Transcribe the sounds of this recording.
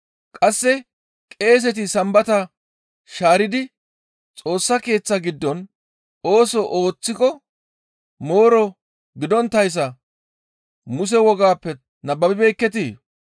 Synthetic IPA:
kʼɐsːɛ | kʼe̞ːs̬ɛt̪̬ɪsɐmbɐt̪ɐ | ʃaːɾɪd̪ɪ | t͡sʼo̞ːsːɐke̞ːt͡sːɐɡɪd̪ːɔn | o̞ːsɔʔo̞ːt͡sːɪkɔ | moːɾɔ | ɡɪd̪ɔnt̪ːɐjs̬ɐ | mʊs̬ɛwɔɡaːpːɛ | nɐbɐbɪbɛjkːɛt̪̬iː

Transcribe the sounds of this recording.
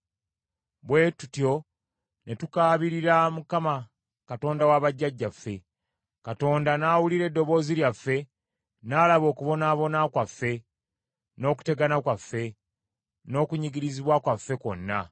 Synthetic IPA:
βwe̞ːtutjo̞ | ne̞tukaːβiɾiɾamukama | kato̞ːndawaːβaɟːaɟːafːe̞ | kato̞ːndanaːwuliɾe̞dːo̞βo̞ːziljafːe̞ | naːlaβo̞ːkuβo̞naːβo̞nakwafːe̞ | no̞ːku̥te̞ɡanakwafːe̞ | no̞ːkuɲiɡiɾiziβwakwafːe̞ko̞̰nːa

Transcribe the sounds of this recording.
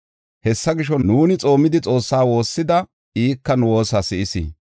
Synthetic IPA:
hɛsːɐɡɪʃɔnuːnɪt͡sʼo̞ːmɪd̪ɪt͡sʼo̞ːsːaːwo̞ːsːɪd̪ɐ | iːkːɐnʊwo̞ːsasɪʔɪsḭ

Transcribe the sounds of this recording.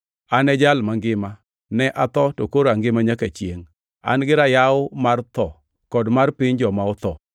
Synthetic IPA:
anɛd͡ʒalmaŋɡɪma | nɛʔat̪ɔtokoɾaŋɡɪmaɲakat͡ʃjḛŋ | a̰nɡɪɾajaʊmart̪ɔ | kɔdmarpɪɲd͡ʒɔmaʊt̪ɔ

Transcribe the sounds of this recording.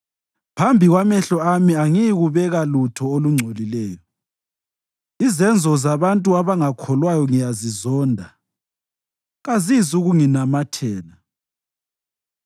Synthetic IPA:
pʰambʱiɣwamɛɬɔamiaŋijiɣuβɛɣalutʰɔoluŋ͡ǀʱolilɛːjɔ | izɛnd͡zʱɔzaβantʼuaβaŋakʰɔlwajɔŋijazizɔːndʱa | ɣazizuɣuŋinamatʰɛːna

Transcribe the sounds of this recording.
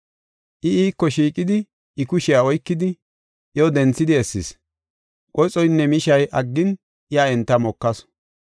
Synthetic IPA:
ʔɪiːkːɔʃiːkʼɪd̪ɪ | ɪkʊʃɪjaɔjkːɪd̪ɪ | ɪjod̪ɛnt͡sːɪd̪ɪɛsːɪs | kʼɔjt͡sʼɔjnːɛmɪʃɐjʔɐɡːɪn | ʔɪjaːɛnt̪ːɐmɔkːɐs

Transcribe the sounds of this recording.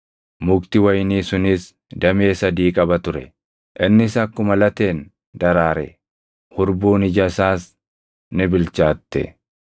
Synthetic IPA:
mʊkt̪ɪwɐjniːsʊnɪs | d̪ɐme̞ːsɐd̪iːkʼɐbɐt̪ʊɾɛ | ʔɪnːɪsɐkːʊmɐlɐt̪e̞ːn | d̪ɐɾaːɾɛ̰ | hʊɾbuːnɪd͡ʒɐsaːs | nɪbɪlt͡ʃaːt̪ːɛ̰

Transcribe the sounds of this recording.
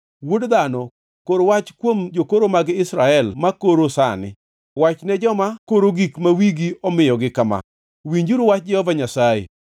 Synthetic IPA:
wodd̪anɔ | koɾwat͡ʃkwomd͡ʒokoɾomaɡɪɪsɾaɛlmakoɾosa̰nɪ̰ | wat͡ʃnɛd͡ʒɔmakoɾoɡikmawiɡiɔmɪjɔɡɪkama̰ | wiɲd͡ʒuɾuwat͡ʃ̚d͡ʒɛhɔvaɲasaḛ

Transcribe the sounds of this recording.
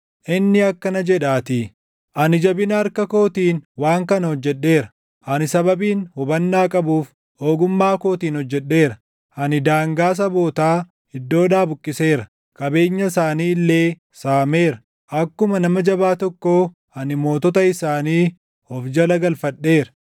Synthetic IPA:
ʔɪnːɪɐkːɐnɐd͡ʒɛᶑaːt̪ɪ | ʔɐnɪd͡ʒɐbɪnɐɐɾkɐko̞ːt̪iːnwaːŋkɐnɐhɔd͡ʒːɛɗːe̞ːɾɐ | ʔɐnɪsɐbɐbiːnhʊbɐnːaːkʼɐbuːf | o̞ːɡʊmːaːko̞ːt̪iːnhɔd͡ʒːɛɗːe̞ːɾɐ | ʔɐnɪd̪aːŋɡaːs̬ɐbo̞ːt̪aː | ɪd̪ːo̞ːᶑaːbʊkʼːɪse̞ːɾɐ | kʼɐbe̞ːɲːɐsaːniːlːe̞ː | saːme̞ːɾɐ | ʔɐkːʊmɐnɐmɐd͡ʒɐbaːt̪ɔkːoː | ɐnɪmo̞ːt̪ɔt̪ɐɪsaːniː | ɔfd͡ʒɐlɐɡɐlfɐɗːe̞ːɾɐ

